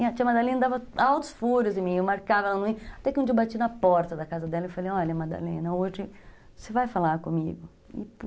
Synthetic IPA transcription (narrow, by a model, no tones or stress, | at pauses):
iɐt͡ʃĩɐmad̪alẽnɐd̪avɐawt̪ʊ̥sfuɾjʊzɪ̃mĩewmaɾkavɐɛlɐnʊ̃ĩat̪ɛkɪũd͡ʒiɐbat͡ʃinɐpɔɾt̪ɐd̪ɐkazɐd̪ɛlɐewfalejɔʎɐmad̪a̰lẽnɐoʒɪ | sevajfalaɾkõmiɡʊ | ɪ̰p